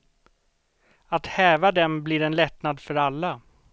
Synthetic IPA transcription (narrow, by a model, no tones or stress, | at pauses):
at̪hɛːvad̪ɛmblɪɾɛnlɛt̪nad̪fœɾalːa